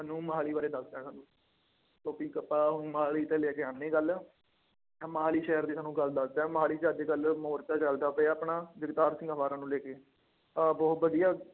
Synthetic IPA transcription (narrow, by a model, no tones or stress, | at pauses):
ənũːməɦaːliːbaːɾeːd̪əsd̪ãːsaːnũː | t̪oːpiːkəpːaːɦʊnmɦaːliːt̪ẽːleːkeãːnẽːɡəl | ɛ̃ːməɦaːliːʃɛːəɾd̪eːsaːnũːɡəld̪əsd̪ɛ̃ːmɦaːliːt͡ʃaːd̪eːɡəlmoːɾt͡ʃaːt͡ʃəld̪aːpəaaːpnaːd͡ʒɪɡt̪aːɾsɪŋɡaːʋaːɾãːnũːleːkeː | abɔːt̪bəd̪ijaː